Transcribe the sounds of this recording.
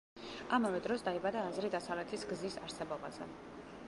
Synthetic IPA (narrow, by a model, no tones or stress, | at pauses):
amavɛd̪ɾɔsd̪aibad̪aːzɾid̪asavlɛt̪ʰisɡzisaɾsɛbɔbazɛ̰